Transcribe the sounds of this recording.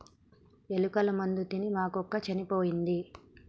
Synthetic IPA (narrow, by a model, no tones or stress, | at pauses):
elukɐlɐmɐnd̪ut̪inimaːkɔkːɐt͡ʃɐnipoːjind̪i